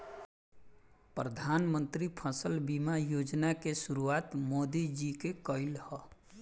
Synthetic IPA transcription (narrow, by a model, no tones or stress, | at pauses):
pɾəd̪ʱaːnmə̃nt̪ɾipʰəsəlbimajod͡ʒnakesʊɾuaːt̪moːd̪id͡ʒikekəɪlhɔ